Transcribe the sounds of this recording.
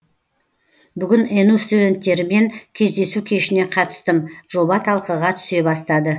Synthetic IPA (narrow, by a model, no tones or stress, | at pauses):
bʏɡʲɪnenust̪ud̪e̞nt̪ːe̞ɾɪme̞ŋkʲʰe̞zd̪e̞sukʲʰe̞ʃɪne̞qʰɑt̪ə̥st̪əmʒo̞bɑt̪ʰɑlˠqəʁɑt̪ʰʏ̥se̞bɑst̪ɑd̪ə